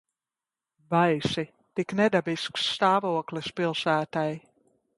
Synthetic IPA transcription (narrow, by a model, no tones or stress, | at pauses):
bajsi | t̪iknɛd̪abisksːt̪aːvuɔklɨspilˠsæːt̪aj